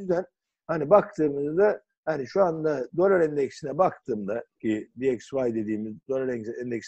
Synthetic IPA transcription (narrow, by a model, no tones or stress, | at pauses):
yzd̪æn | hanibak̚t̪ʰɯːmɯzd̪a | haniʃuand̪ad̪olaɾɛnd̪ecsinɛbak̚t̪ʰɯːmd̪acʰid̪iɛcsvajd̪e̞d̪iːmizd̪olaɾɛɛnd̪ecs